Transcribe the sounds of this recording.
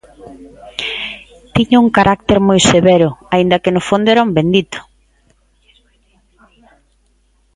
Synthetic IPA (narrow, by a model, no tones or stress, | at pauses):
t̪iɲʊuŋkaɾʔak̚t̪eɾmojseβeɾʊaind̪ɐkenʊfond̪ʊɛɾaumbend̪it̪ʊ̥